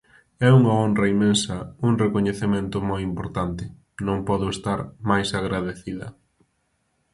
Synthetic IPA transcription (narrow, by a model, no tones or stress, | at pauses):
ɛuŋaonrrɐimːẽnsɐuŋrekoɲeθemẽnt̪ʊmojimpoɾt̪ant̪ɪ | nõŋpɔðʊest̪aɾmajsaɣɾaðeθiðɐ̰